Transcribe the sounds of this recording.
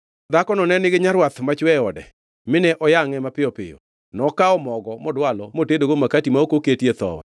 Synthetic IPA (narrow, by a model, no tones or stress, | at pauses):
d̪akɔnɔnɛnɪɡɪɲaɾwat̪mat͡ʃwɛɔdɛ̰ | mɪnɛʔɔjaŋɛmapɪjɔpɪ̰jɔ̰ | nɔkaɔmɔɡɔmɔdwalɔmotedoɡomakatimaokoketjet̪ɔ̰wɛ̰